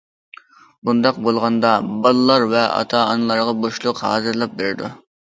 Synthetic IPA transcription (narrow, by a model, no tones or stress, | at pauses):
bund̪ɑqbolˠʁɑnd̪ɑbɑlˠlːˠɑɾvɛɑ̰t̪ʰɑɑnɨlˠɑɾʁɑboʃlˠʊqhɑ̰ːzɨɾlˠɑp̚beɾɪd̪ṵ